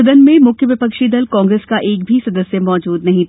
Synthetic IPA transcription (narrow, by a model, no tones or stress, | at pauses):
d̪ənmẽmʊkʰjəʋɪpəkʃid̪ɐlkɔ̃ːŋɡɾeskaʔeːk̚bʱisɐd̪əsjəmɔːd͡ʒuːd̪nɐɦĩt̪